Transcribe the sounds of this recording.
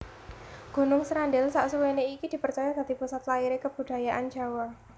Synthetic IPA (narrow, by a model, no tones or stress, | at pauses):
ɡ̥o̤nʊŋsɾanɖɪlsaʔsuweneikid̪̥i̤pərt͡ʃajad̥a̤d̪ipusat̪laiɾekəb̥ud̥a̤jaʔand͡ʒa̤wa